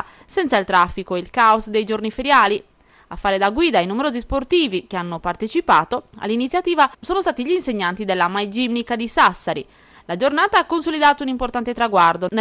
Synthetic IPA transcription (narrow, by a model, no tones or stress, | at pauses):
sɛnt̪sailt̪ɾafːikoeilkaosd̪ejd͡ʒoɾnifeɾjaːli | a̰fːaːɾed̪aɡwiːd̪ainumeɾoːzisport̪iːvik̟eanːopart̪et͡ʃipaːt̪oa̰lːinit̪sːjat̪iːvasoːnost̪aːt̪iʎiːnseɲːant̪id̪ɛlːamajd͡ʒimnikad̪isasːaɾi | lad͡ʒornaːt̪aakːonsolid̪aːt̪ounimport̪ant̪et̪ɾaɡwaɾd̪on